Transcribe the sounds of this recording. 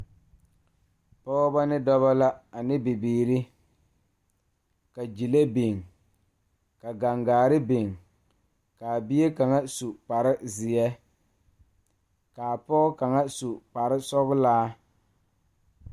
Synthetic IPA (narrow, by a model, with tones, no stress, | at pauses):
pɔ˦ba˦nɪ˦dɔ˦βa˦la˦a˨nɪ˦bɪ˨biː˨ɾɪ˦ | ka˨d͡ʒi˨le˦be˨ŋ | ka˨ɡa˨ŋɡaː˨ɾɪ˦be˨ŋ | ka˨bi˦e˦ka˨ŋa˦su˨pa˨ɾɪ˦zɪ˨jɛ˦ | ka˨a˨pɔ˦ʊ˦ka˨ŋa˦su˨pa˨ɾɪ˦sɔ˦bʊ˦laː˦